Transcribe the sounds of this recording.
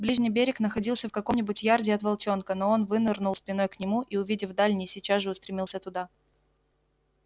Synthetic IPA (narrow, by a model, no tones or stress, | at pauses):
blʲiʐnʲɪjbʲeɾʲɪknəxɐdʲilˠsʲəfkɐko̞mnʲɪbʊtʲjardʲɪɐt̪vɐlˠt͡ɕo̞nkəno̞o̞nvɨnɨrnʊlˠsʲpʲɪno̞jknʲɪmuʔiʊvʲidʲɪvd̪alʲnʲɪjsʲɪt͡ɕazʐɨʊst̪ɾʲɪmʲilˠsʲət̪ʊd̪a